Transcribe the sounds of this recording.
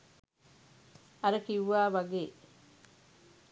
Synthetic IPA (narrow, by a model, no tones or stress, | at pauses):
ɐɾəkiwʋaːʋɐɡeː